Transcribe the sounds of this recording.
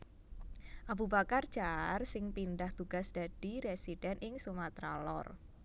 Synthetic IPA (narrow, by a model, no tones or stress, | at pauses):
ʔabubakardd͡ʒ̥aarsɪŋpindaht̪uɡ̥asd̥ad̥iɾesidɛnʔɪŋsumat̪ɾa̰lɔ̰r